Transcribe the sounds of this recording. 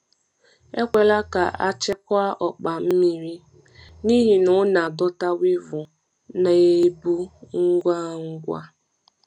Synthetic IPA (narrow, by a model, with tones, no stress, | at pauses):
e˦kʷe˨la˦ka̰˨ʔa̰˦t͡ʃɛ˦kʷa˦ʔɔ˨k͡pa˨m̩˦mi˦ɾi˦ | ni˦ɦi˨nʊ˦na˨dɔ˦ta˦wɪ˦vʊ˨ | na˨e˦bu˦ŋ̩˦ɡʷa˦ŋ̩˦ɡʷa̰˦